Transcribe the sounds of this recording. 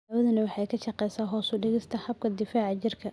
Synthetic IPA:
ɐwɐðɐnɐwɑħɑjkʰɐʃɑqɛjsaːɦɔːsʊɖɪɣɪst̪ʰɐhɐb̚kʰɐd̪ɪfaːʕɑt͡ʃɪrkʰɐ

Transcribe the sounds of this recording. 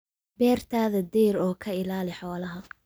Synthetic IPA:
bɛːrt̪ʰaːðɐd̪ɛːɾɔːkʰɐɪlaːlɪħɔːlɐɦɐ

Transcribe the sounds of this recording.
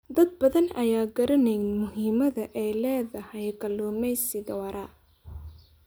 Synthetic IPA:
d̪ɐd̪̚bɐðɐnɐjaːɡɐɾɐnɛjnmʊɦiːmɐðɐʔɛlɛːðɐhɐjɡɐlːɔːmɛjsɪðɐwɐɾʔɐ

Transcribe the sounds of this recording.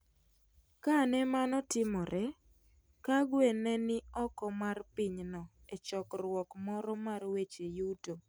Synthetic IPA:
kanɛmanɔtɪmɔɾʔɛ | kaɡwenɛnɪɔkɔmarpɪɲnɔ | et͡ʃɔkrwɔkmɔɾɔmarwet͡ʃejuto

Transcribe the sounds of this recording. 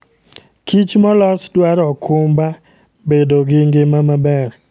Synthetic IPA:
kit͡ʃmɔlɔsdwaɾɔkʰʊmba | bedoɡɪŋɡɪmamabɛr

